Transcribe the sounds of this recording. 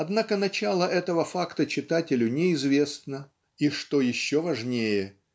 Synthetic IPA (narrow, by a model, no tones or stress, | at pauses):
ɐd̪nakənɐt͡ɕalˠəʔɛt̪əvəfakt̪ət͡ɕɪt̪atʲɪlʲʊnʲɪɪzvʲe̞snə | iʂt̪ojɪɕːovɐʐnʲejɪ